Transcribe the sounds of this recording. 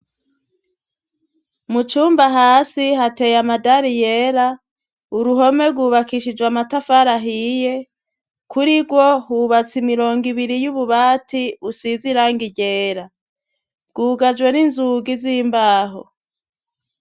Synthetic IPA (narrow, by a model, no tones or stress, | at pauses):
mut͡ʃuːmbaɦaːsiɦate̞jamadaɾijeɾa | uɾuɦo̞me̞bɡuːβakiʃid͡ʒwamatafaɾaɦije̞ | kʰuɾiɡɡwo̞huβat͡simiɾo̞ːŋɡiβiɾijuβuβaːtiusiziɾaːŋɡiɟeːɾa | b̚ɡuːɡad͡ʒɡwe̞ninzuɡizimbaːɦo̰